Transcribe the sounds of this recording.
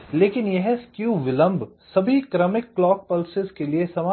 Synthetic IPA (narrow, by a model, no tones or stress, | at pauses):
leːkɪnjɛɦskjuːʋɪlə̃mbʱ | sɐbʱikɾɐmɪkːlɔːk̚pɐlsɪzkeliesɐmaː